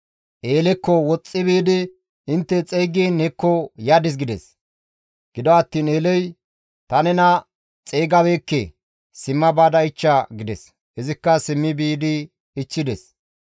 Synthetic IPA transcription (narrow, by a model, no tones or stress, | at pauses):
ʔeːlɛkːɔwɔt͡sʼːɪbiːd̪ɪ | ɪnt̪ːɛt͡sʼɛjɡiːnɛkːɔjad̪ɪs̬ɡɪd̪ɛ̰s | ɡ̥ɪd̪ɔɐt̪ːiːneːlɛj | t̪ɐnɛnɐ | t͡sʼeːɡɐbeːkːɛ | sɪmːɐbaːd̪ɐɪt͡ʃːɐɡɪd̪ɛ̰s | hɪzɪkːɐsɪmːɪbiːd̪ɪː | t͡ʃːɪd̪ɛs